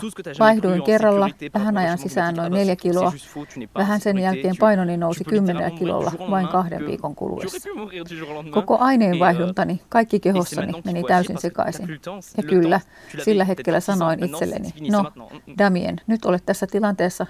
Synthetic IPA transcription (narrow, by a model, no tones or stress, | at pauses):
ʋɑihduiŋkerːɑlːɑʋæɦænɑjɑnsisæːnno̞inneljækiloɑʋæɦænsenjælkeːmpɑinoninousikymːenḛlːækilo̰lːɑ̰ʋɑiŋkɑhdḛʋʋḭːkoŋkṵlṵʋḛsːɑ̥ | kokoʔɑineːnʋɑihdunt̪ɑnikɑikːikeɦosːɑnimenit̪æysinsekɑ̰isinjɑkylːæ | silːæɦe̞t̪kelːˑæsɑnoinit̪selːḛninodɑmiḛnnyt̪olet̪t̪æsːæt̪ilɑnt̪eːsːɑ